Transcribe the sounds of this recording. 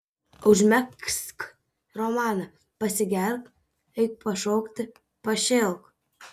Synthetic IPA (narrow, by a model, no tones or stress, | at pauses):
ʊʒʲmʲɛksk | ɾɔmɑːnɐ | pɐsʲɪɡʲɛlʲk | ɛɪk̚pɐʃoːkt̪ʲɪ | pɐʃʲelˠk